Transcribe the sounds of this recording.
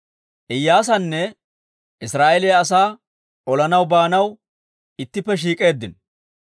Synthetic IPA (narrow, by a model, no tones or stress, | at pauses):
ʔɪjːaːs̬ɐnːɛ | ʔɪsɾaːʔɛlejɐs̬aː | ɔlɐnɐwbaːnɐw | ɪt̪ːɪpːɛʃ̬iːkʼe̞ːd̪ːɪn